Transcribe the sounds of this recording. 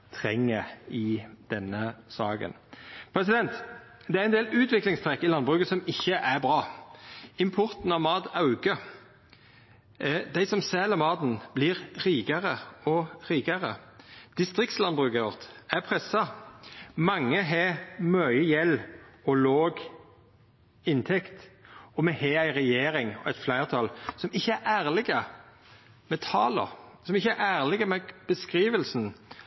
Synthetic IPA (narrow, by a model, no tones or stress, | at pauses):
t̪ʰʁɛŋːəɪd̪̥ɛnːəsɑːɡə̰npʰɾɛs̬ɪd̪ɛnt̪ | d̪ɛæɾɛnd̪eːlʉːt̪ʋɪklɪŋst̪ʰʁɛkːɪlɑnbʁʉːkəsɔmɪçːəʔæɾbʁɑː | ɪmpʰɔʁt̪n̩ɑʋmɑːd̪ɑʉɡə | d̪æɪsɔmsɛːlɑmɑːd̪n̩b̥lɪʁɾiːɡəʁəɔʁiːɡəʁəd̪̥ɪst̪ʁɪk̚t̪slɑnbʁʉːkəɔʁt̪æpʰʁɛsɑ | mɑŋːəɦemœʏjɛlːɔloːɡ | ɪnt̪ʰɛkt̪ɔmɛheːæɪʁɛjeːɾɪŋɔæɪt̪flæɪʁt̪ʰɑlsɔmɪçːəæʔæːʁlɪɡə | mɛt̪ʰɑːlə̰ʁsɔmɪçːəæɾæːʁlɪɡəmɛb̥əskʁiːʋəlsn̩